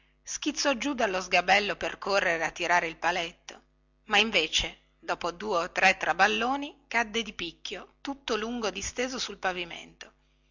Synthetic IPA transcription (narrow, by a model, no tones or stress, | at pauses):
sk̟it̪sːɔd͡ʒud̪alːozɡabɛlːoperkorːeɾeat̪ːiɾaːɾeilpalet̪ːo | maiɱveːt͡ʃe | d̪ɔːpod̪uːeot̪ːɾɛt̪ːɾabalːoːnikad̪ːed̪ipikʲːjot̪ut̪ːoluŋɡod̪ist̪eːzosulpavimḛnt̪o